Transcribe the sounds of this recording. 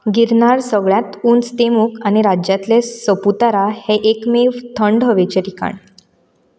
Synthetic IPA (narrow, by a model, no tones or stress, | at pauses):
ɡiɾɳaɾsəɡɭjat̪uːnst̪emukañiɾad͡ʑjat̪lesəput̪aɾaheʔekmeʋt̪ʰəɳɖɦəʋet͡ɕeɾika̰ɳ